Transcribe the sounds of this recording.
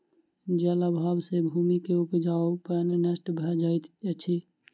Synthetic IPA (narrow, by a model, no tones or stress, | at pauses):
d͡ʒɛləbʱabsebʱuːmikeupd͡ʒaopənnəsʈbʱɛd͡ʒajt̪t͡ʃʰi